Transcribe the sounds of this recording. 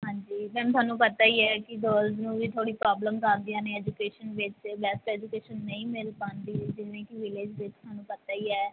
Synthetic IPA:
ɦãːɲd͡ʒiːmɛ̃ːmt̪ʰʊaːnːũːpət̪aːiːɛːkɪd̪oːlznũːʋiːt̪ʰoːɽiːpɾaːbləmkaɾd̪ɪjãːnẽːɛːd͡ʒukeːʃənʋɪt͡ʃbɛsʈɛːd͡ʒʊkeːʃənːəĩːmɪlpãːnd̪iːd͡ʒɪʋẽːkɪʋɪlɪd͡ʒʋɪt͡ʃt̪ʊaːnːũːpət̪aːiːɛː

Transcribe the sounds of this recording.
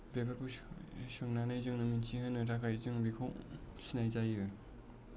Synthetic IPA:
bebaɾbʰɯsɯŋnanɯjzɯŋnɯmint͡ʃʰihɯnːɯɾakʰajzɯŋbikʰɔwsinajzajɯ

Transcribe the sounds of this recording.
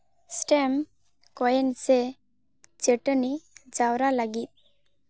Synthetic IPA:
sʈɛm | kɔjɛnsɛ | t͡ʃəʈənid͡ʒawɾalaɡit̪̚

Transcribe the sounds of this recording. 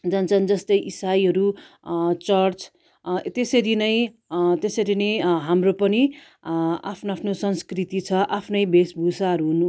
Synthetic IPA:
d͡zʌnt͡sʰʌnd͡zʌst̪ʌjʔisajɦʌɾu | t͡sʌrt͡s | t̪esʌɾinʌj̃ | t̪esʌɾinʌjɦamropʌni | a̰pʰnoapʰnosʌnskrit̪it͡sʰʌʔapʰnʌjbesbʱusaɦʌɾuɦunu

